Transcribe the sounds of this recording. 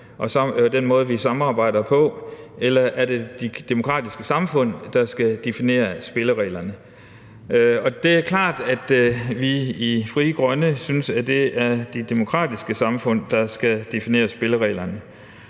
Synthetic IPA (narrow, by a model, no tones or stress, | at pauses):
ʔɒ̽sɒd̥enmɔ̽ːð̞ˠʋisɑ̈mɑ̈ːb̥ɑ̈ɪ̰d̥ɐpʰɒ̽elɐʔæɐd̥e̝d̥id̥e̝mo̝kʰʁɑ̰̈ːd̥isɡ̥əsɑ̈mfɔ̽n̰d̥ɑ̈sɡ̥æd̥e̝fine̝̰ːɐsb̥e̝ləʁɛ̰ːlɐnə | ɒ̽d̥e̝æɐkʰlɑ̰̈ːd̥æd̥ʋiifʁiːɡ̥ʁɶnəsynsæd̥e̝ʔæɐd̥ed̥e̝mo̝kʰʁɑ̰̈ːd̥isɡ̥əsɑ̈mfɔ̽n̰d̥ɑ̈sɡ̥æd̥e̝fine̝̰ːɐsb̥e̝ləʁɛ̰ːlɐnə